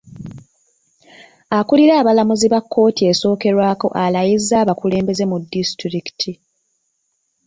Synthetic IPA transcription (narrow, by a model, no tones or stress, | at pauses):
akuliɾaːβalamuziβakːo̞ːtie̞so̞ːke̞ɾwaːko̞ʔalajizːaːβakule̞ːmbe̞ze̞mudːistɾiki̥tʰi